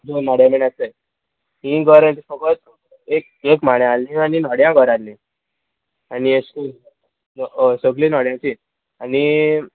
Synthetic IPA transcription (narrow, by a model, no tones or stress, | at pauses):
d͡zonaɽjãmeɽ̃at͡səj | ɦĩɡʱəɾãt͡ɕifəkɔs | ek̚ | ekmaɽ̃jãalnĩaninɔɽjãɡʱəɾalːĩ | anies | səɡlinɔɽjãt͡ɕi | ani